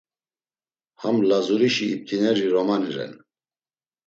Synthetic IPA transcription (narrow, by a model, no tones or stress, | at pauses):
hamlazuɾiʃiːp̚t̪ʰinɛɾiɾɔmaniɾɛ̰n